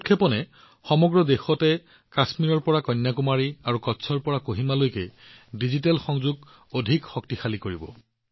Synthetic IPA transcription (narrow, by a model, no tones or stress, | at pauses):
utkʰːɛpɔnɛ | xɔmɔɡɹɔdexɔtɛ | kasmiɹɔɹpɔɹakɔjnːjakumaɹiaɹukɔtsʰɔɹpɔɹakoɦimalojkɛ | dizitalxɔŋzuɡ | odʱikxɔk̚tixalikoɹibɔ